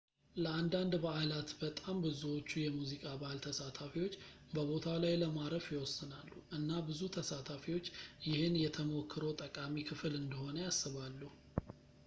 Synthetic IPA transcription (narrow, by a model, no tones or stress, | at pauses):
ləand̪and̪bəalat̪bət̪ʼambɨzuwo̞t͡ʃːujɛmuzikʼabalt̪ʰəsat̪ʰafiwo̞t͡ʃː | bəβo̞t̪ʰalajləmaɾəfjɪwɔsːɨnalːuʔɨnːabɨzut̪ʰəsat̪ʰafiwo̞t͡ʃːjɪhɨnjɛt̪ʰəmokʰːɨɾowt̪ʼəkʼamikʰɨfɨlɨnd̪əho̞nəjasːɨβalːuh